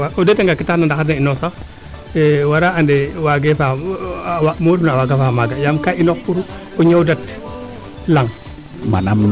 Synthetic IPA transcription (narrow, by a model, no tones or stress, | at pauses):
aʔodeteŋɡakitaknandakanainosax | ɛwaɾaʔandewaɡefa | wamoɾnawaɡafamaɡajamkainɔkpuɾu | ɔɲawdat | laŋ | ma̰nam